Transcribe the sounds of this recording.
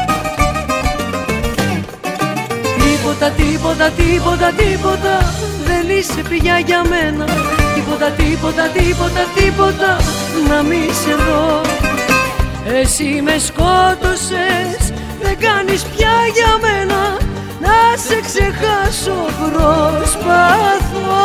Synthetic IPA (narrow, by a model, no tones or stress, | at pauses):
t̪ipo̞t̪ɐt̪ipo̞t̪ɐt̪ipo̞t̪ɐt̪ipo̞t̪ɐðe̞nise̞piʝɐʝɐme̞nɐt̪ipo̞t̪ɐt̪ipo̞t̪ɐt̪ipo̞t̪ɐt̪ipo̞t̪ɐ | nɐmise̞ðo̞ | esime̞sko̞t̪o̞se̞s | ðe̞ɡɐnispçɐʝɐme̞nɐ | nɐse̞kse̞xɐsopɾospɐθo